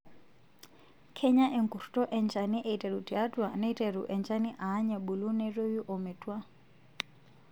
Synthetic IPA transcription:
kʰɛ˦ɲa˦ʔɛ˨ŋku˨ɾtɔ˦ʔɛ˨ɲt͡ʃa˨ni˦ʔɛi˨tɛ˨ɾu˨ti˨a˦twa˨nɛ˦itɛ˨ɾu˨ʔɛ˨nt͡ʃa˦ni˦ʔaː˦ɲa˨ɓu˨lu˦nɛ˦ro˦ju˦ʔɔ˨mɛ˨twa˦

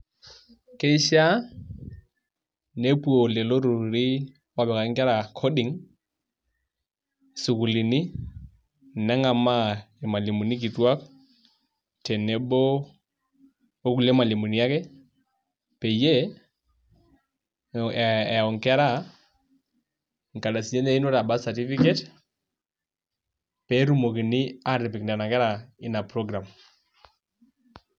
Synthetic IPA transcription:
ke˦i˦ʃa˦ | ne˦pu˦o˨lɛ˨lo˦ɾu˨ɾi˦ | wa˦bɛ˨ka˨˦ŋ̩˦kɛ˦ɾa˨kʰo˦dɪ˨ŋ | sʊ˨ku˨li˨ni˦ | n̩˨nɛ˦ŋa˨ma˦ | ɪ˨ma˨li˨mo˨ni˦k̬i˨twa˦k | tʰɛ˨ne˨bo˦ | o˦ku˨le˦ma˨li˨mu˨ni˨ja˦kɛ˦ | pe˨je˦˨ | ɔ˨ŋkɛ˦ɾa˦˨ | ŋka˨ɗa˨si˨ɲe˦ne˦i˦no˦ɾa˨ba˦sa˨ti˦fi˦kɛ˦t | pɛ˨˦ɾu˦mo˨ki˨ni˦a˦ɾi˨p̬ɪ˨kna˨na˨kɛ˦ɾa˨ɪ˦na˨pɾɔ˦ɡɾa˨m

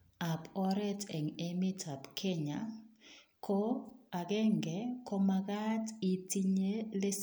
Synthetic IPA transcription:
a˨pɔ˦ɾɛ˦tʰɛ˨ŋe˦mi˦tʰa˨bkʰe˦ɲa˨ | kʰo˦a˨ɡɛ˦ŋɡɛ˨ko˦ma˦ɡa˦ti˨ti˦ɲe˦lɪ˦

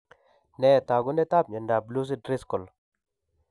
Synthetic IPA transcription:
ne˦˨t̪a˨ɡu˦nɛ˦t̪a˦˨bɲe˨nda˨blu˦s̬i˦dɾi˦skɔ˨l

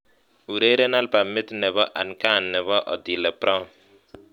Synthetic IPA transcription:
u˨ɾe˦ɾe˦na˦lpa˨mɪ˦t̪nɛ˨βɔ˦ʔa˨nka˦˨nːɛ˨βɔ˦ʔɔ̰˨d̪i˨lɛ˨pɾɔ˦

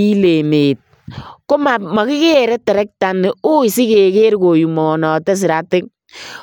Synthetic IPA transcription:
i˦le˨meː˨t̚ | ko˦ma˨ma˨kɪ˦ke˦ɾɛ˦tɛ˨ɾɛ˦k̚ta˨ne˨o˦i˨si˦ke˨ke˦ɾko˨ju˨mɔ˨nɔ˨tɛ˦s̬i˨ɾa˨tɪ˦k̚

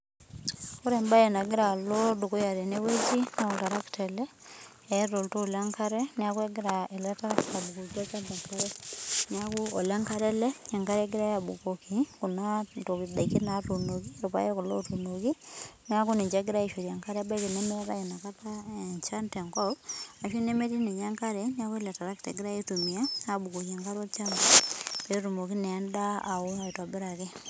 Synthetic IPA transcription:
ku˦ɾe˨mba˦je˨na˨ɡɪ˦ɾa˨lo˦du˨ko˦ja˨ɾe˨ne˦we˦t͡ʃi˦na˦ku˨ta˨ɾa˦kte˨lɛ˦ | eɾo˨lto˦˨la˦ŋka˦ɾɛ˦nɪa˦ku˦e˦ɡɪ˦ɾa˨e˨lɛ˦ta˦ɾa˦kta˨bu˨ko˨ki˦a˦ka˦da˨pa˦ɾɛ˦nɪa˦ku˦o˨le˦ŋka˦ɾɛ˦lɛ˦e˨ŋka˦ɾe˦ɡɪ˦ɾa˦ja˨bu˨ko˨ki˨ku˨na˦to˨kida˨iki˦na˨˦tu˨no˨k̬i˦ɾu˨pa̰˦jɛ˦kʊ˨lo̰˦tu˨no˨ki˦nja˦ku˦ni˨ɲt͡ʃe˦ɡɪ˦ɾa˦i˨ʃe˨ɾja˨ŋka˦ɾɛ˦ba˦i˦ke˨ne˦mi˦a˦ka̰˦ji˨na˨ka˦ta˦ɛ˨ɲt͡ʃa˦ntɛ˨ŋkɔ˦ka˨ʃi˦ne˦me˦ti˦ne˨ɲa˦ŋka˦ɾɛ˦n˦a˦ku˦lɛ˨ta˨ɾa˦k̚tɛ̰˨ɡɪɾa˦e˦tu˨mi˨a˦a˨bu˨ko˨ke˨ŋka˦ɾo˦lt͡ʃa˦mba˦pːtu˨mo˨ki˦nɛ˨a˦nda˦a˨ʊ˦a˨i˨tɔ˨bɪ˦ɾa˨kɪ˦

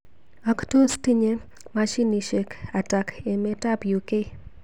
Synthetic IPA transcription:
ɔ˨kto˦sti˦ɲe˦ | ma˦ʃi˦ni˨ʃe˨ka˨ta˨ke˨me˦ta˦pju˨ke˦

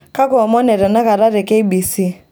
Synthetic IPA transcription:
ka˦kʊ˨ɔ˨mɔ˦nɛ˨ɾɛ˨na˦ka˨ɾa˦ɾɛ˨ke˦i˦bi˨si˦

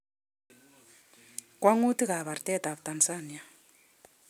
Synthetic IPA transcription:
kʼwa˦ŋu˦ti˦ka˨βa˨ɾi˨tʼɛ˦ta˨βu˨tʼand͡zanija˨

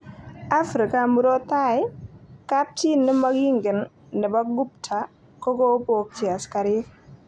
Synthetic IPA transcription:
a˦fɾi˨ka˨mu˦ɾo˦ta˦jka˦p̚ti˦nːɪ˦ma˦ɡi˦ŋɡɪ˨nː | ɛ˨ba˦ɡu˦p̚tʰa˨ | kɔ˦ko˦po˨k̚t͡ʃi˨a˨ska˨ɾi˦

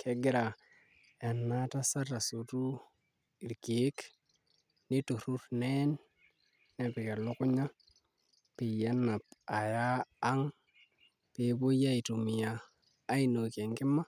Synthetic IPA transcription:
kʰe˦ɡɪ˦ɾa˨ | e˨nːa˦ta˦sa˦ta˨su˨tu˦ | i˨ɾke˨˦k | ni˦tu˨ɾu˦ɾne˦nː | e˨pi˨ka˨lo˦ku˦ɲa˦ | pi˨ja˦na˨pa˨jaː˦ŋ | pe˨˦bo˦ja˦i˨tu˨mi˨jaː˨˦ | i˦no˨ke˨ŋki˦ma˦

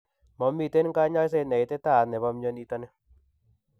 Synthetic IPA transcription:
mɔ˨mːi˦˨te˦nŋka˦ɲa˦js̬e˦˧nɛ˨i˨tɛ˦ta˦˨nɛ˨βɔ˧mɲɔ˦ni˦tɔ˧nɛ˦

